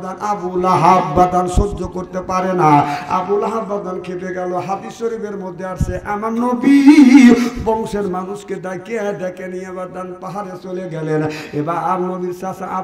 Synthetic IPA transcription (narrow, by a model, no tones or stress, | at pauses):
d̪anʔabulaɦabːad̪ʱansodokoɾt̪epaɾenaa̰bulaɦabːad̪ʱankʰepeɡɛloɦad̪isoɾibeɾmod̪ʱːeaɾseʔamanːobiɦbɔŋseɾmanusked̪ajked̪ɛkeniebad̪anpaɦaɾet͡ʃoleɡɛlenebaaɾnobiɾsasaʔa